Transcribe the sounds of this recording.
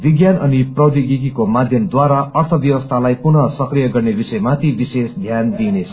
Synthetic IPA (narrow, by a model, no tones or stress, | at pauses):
biɡjanʌniprʌwd̪iɡikikomad̪ʱjʌmd̪waɾaʌrt̪ʰʌbjʌwʌst̪ʰalajpunʌsʌkrijʌɡʌrnebisʌjmat̪ibisesd̪ʱjand̪inet͡sʰʌ